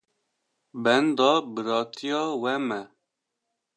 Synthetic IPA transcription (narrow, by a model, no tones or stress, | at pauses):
bɛnd̪ɑːbɨɾɑːt̪ʰijɑːwɛmɛ